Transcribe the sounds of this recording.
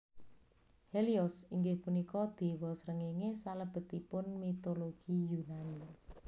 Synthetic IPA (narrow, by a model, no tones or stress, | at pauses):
heliɔsiŋɡepunikɔd̪̥e̤wɔsəɾəŋeŋesaləb̥ə̤t̪ipʊnmit̪oloɡ̥ijunani